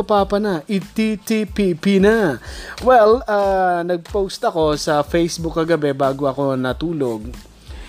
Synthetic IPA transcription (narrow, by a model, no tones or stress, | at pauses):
ʊpaːpɐnɐʔɪt̪it̪ipipinɐwɛlaːnɐɡ̚powst̪ɐko̞sɐfejsbʊkːɐɡɐbɛbaːɡoʔɐko̞nɐt̪uːloɡ̚